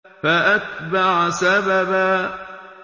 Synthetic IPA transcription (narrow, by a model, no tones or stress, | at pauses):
faʔat̪baʕsababaː